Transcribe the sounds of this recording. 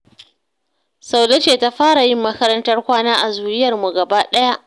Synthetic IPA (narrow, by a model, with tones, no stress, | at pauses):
sa˨wlɐ˦t͡ʃeː˨ta˦ɸaː˦ɽa˨jɪ˦mːɐ˦kɐ˦ɾɐ˦ntɐ˦rkʷaː˦naː˦ʔa˨zuː˨jɪ˦jɐ˨rmu˨ɡɐ˨baː˦ɗɐ˦ja˦ʔ